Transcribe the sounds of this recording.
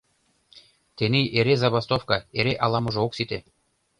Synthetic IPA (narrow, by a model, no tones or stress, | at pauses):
t̪enijʔeɾezɑβɑst̪ofkɑeɾeʔɑlˠɑmɤ̆ʒoksit̪e